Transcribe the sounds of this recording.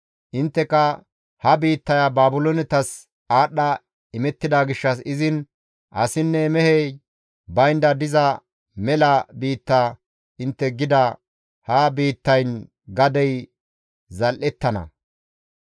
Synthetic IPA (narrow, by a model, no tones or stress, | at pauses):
ʔɪnt̪ːɛkɐ | hɐbiːt̪ːɐjɐbaːbʊlonɪt̪ɐs | aːɗːɐ | ɪmɛt̪ːɪd̪aɡɪʃːɐsɪzɪn | ʔɐ̰sɪnːɛmɛhɛj | bɐjnd̪ɐd̪ɪzɐ | mɛlɐbiːt̪ːaː | ɪnt̪ːɛɡɪd̪ɐ | hɐbiːt̪ːɐjn | ɡɐd̪ɛj | zɐlʔɛt̪ːɐnɐ̰